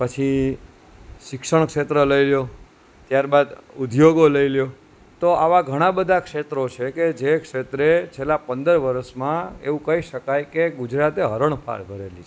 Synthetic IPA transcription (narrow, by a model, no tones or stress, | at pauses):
pət͡ʃʰi | ʃɪkʃəɳ̃kʃet̪ɾələiljo | t̪jaɾbad̪ud̪ʱjoɡoləiljo | t̪oʔaʋaɡʱəɽ̃ãbəd̪ʱakʃet̪ɾot͡ʃʰeked͡ʒekʃet̪ɾet͡ʃʰelapənd̪əɾʋəɾəsmãḛʋũkəiʃəkajkeɡud͡ʒɾat̪eɦəɾəɳ̃pʰa̰ɾbʱəɾelit͡ʃʰe